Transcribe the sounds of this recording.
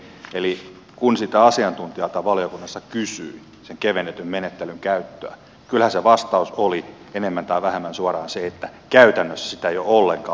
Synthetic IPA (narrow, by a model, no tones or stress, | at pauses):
eli | kunsit̪æɑsiɑnt̪unt̪iɑlt̪ɑʋɑlijokunːɑsːɑkysyi | seŋkeʋenːet̪ymmenet̪ːelyŋkæyt̪ːøæ̰ | kylhæseʋɑst̪ɑusoli | enemːænt̪ɑiʋæhemːænsuɑrɑːnseet̪ːækæyt̪ænːøsːæ̥sit̪æjoolːeŋkɑ̰ː